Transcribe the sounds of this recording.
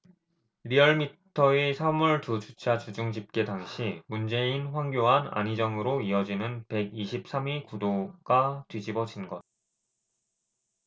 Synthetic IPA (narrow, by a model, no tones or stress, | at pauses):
ɾiʌɭmitʰʌesʰamuɭtut͡ɕut͡ɕʰat͡ɕud͡ʑuŋɕ̬ʰip̚k͈e̞taŋɕʰimund͡ʑe̞inɸwaŋɡjoɦana̰ɲid͡ʑʌŋɯɾoiʌd͡ʑinɯnpe̞ɡiɕʰip̚s͈amikudoɡ̥atwid͡ʑibʌd͡ʑinɡʌd̚